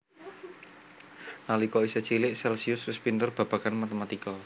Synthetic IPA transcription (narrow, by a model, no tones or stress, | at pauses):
nalikɔisɛt͡ʃilɪʔsɛlsiʊswɪspint̪ərb̥ä̤b̥a̤kanmat̪əmat̪ikɔ